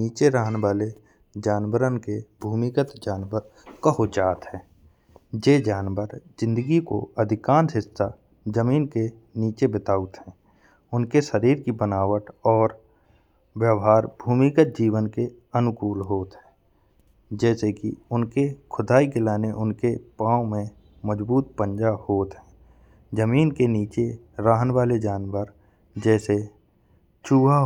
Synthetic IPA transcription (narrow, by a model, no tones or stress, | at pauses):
niːt͡ʃeɾəɦneʋaːle | d͡ʒaːnwəɾənkebʱuːmɪkət̪d͡ʒaːnʋəɾkəɦod͡ʒaːt̪ɦɛ̃ː | d͡ʒeːd͡ʒaːnʋəɾzɪ̃nd̪əɡiko̰əd̪ʱɪkãːnsɦɪsːa | d͡ʒəmiːnke | niːt͡ʃebɪt̪aːʊt̪ɦɛ̃ː | ʊnkeʃəɾiːɾkibənaːʋəʈɔːɾ | ʋjəʋɦaːɾbʱuːmikət̪̚d͡ʒiːʋənke | ənʊkuːlɦoːt̪ɦɛ̃ː | d͡ʒɛːsekiʊnkekʰʊd̪aːikelaːneʔʊnkepãːõmẽ | məd͡ʒbuːt̪̚pə̃ɲd͡ʒahoːt̪ɦɛ̃ː | d͡ʒəmiːnkeniːt͡ʃe | ɾaːɦənʋaːled͡ʒaːnwəɾ | d͡ʒɛːse | t͡ʃuːa